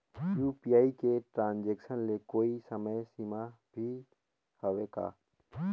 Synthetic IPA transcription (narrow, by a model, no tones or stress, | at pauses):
juːpijaːikeʈɾãːnd͡ʒeːkʃənlekoːisəməjsima | bʱi | həʋeka̰ː